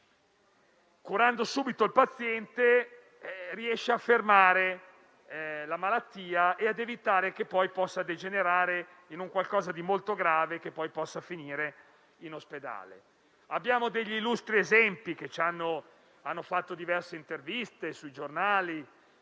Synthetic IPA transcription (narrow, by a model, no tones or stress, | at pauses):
kuɾand̪osuːbit̪oilpat̪sːjɛnt̪e | riɛʃːeafːermaːɾe | lamalat̪ːiːaʔead̪evit̪aːɾekepːɔjpɔsːad̪ed͡ʒeneɾaːɾe | inuŋkwalkɔːzad̪imolt̪oɡɾaːvekepːɔjpɔsːafiniːɾe | inosped̪a̰ːlḛ | abːjaːmod̪eʎːilːust̪ɾiezɛmpik̟et͡ʃanːo | anːofat̪ːod̪ivɛrseint̪ervist̪esujd͡ʒornaːli